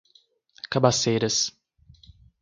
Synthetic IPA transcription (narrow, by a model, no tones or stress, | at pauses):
kabasejɾɐs